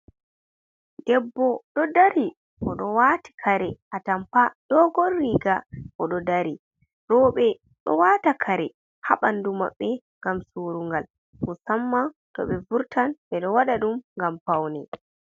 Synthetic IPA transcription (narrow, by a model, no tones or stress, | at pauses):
dɛbːɔɗɔdaɾi | ʔɔɗɔwati̥kʰaɾɛʔatampaɗɔɡɔrːiɡaʔɔɗɔdaɾi | ɾɔɓɛ | ɗɔ̰waːtakʰaɾɛ | haɓanduma̰ɓːɛŋɡamsuɾuŋɡal | musamːa | tɔ̰ɓɛvuɾtanɓɛɗɔwaɗaɗumŋɡampawnɛ